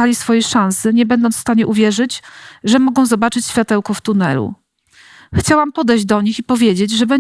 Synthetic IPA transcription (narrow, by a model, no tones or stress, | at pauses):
alʲisfɔjɛʂãw̃sɘɲɛbɛnd̪ɔnt̪fst̪aɲɛʔuvʲjɛʐɘd͡ʑʐɛmɔɡɔ̃w̃zɔbat͡ʂɘt͡ɕɕfʲat̪ɛwkɔft̪unɛ̰lṵ | xt͡ɕawampɔd̪ɛjʑd͡ʑd̪ɔɲixipɔvʲjed͡ʑed͡ʑʐɛbɛ